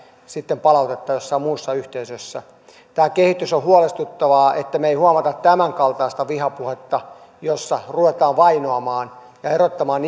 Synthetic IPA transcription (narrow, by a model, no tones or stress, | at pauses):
sit̪ːempɑlɑut̪et̪ːɑjosːɑimmuːsːɑyht̪eysøsːæ̰ | t̪æːkehit̪ysohuolest̪ut̪ːɑʋɑːet̪ːæmeihuɑmɑt̪ɑt̪tæmæŋkɑlt̪ɑːst̪ɑʋihɑpuhet̪ːɑ | josːɑruʋet̪ɑːʋʋɑinoɑmɑːn | jɑerot̪ːɑmɑːn